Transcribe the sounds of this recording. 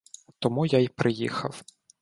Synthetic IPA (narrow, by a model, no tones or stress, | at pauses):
t̪ɔmujajpɾʔɪjḭxɐw